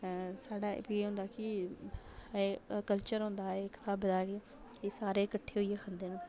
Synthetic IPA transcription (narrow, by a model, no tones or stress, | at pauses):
saːɖa̰ːpieːɦõːnd̪aːkɪ | kəlt͡ʃəɾɦõːnd̪aːeːkɪ̥t̪aːbd̪aːɡ | esaːɾeːkəʈʰːeːɦoiːeːkʰənd̪eːn